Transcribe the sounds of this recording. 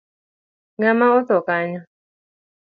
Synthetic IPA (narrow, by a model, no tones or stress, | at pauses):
ŋamaɔt̪ɔkaɲɔ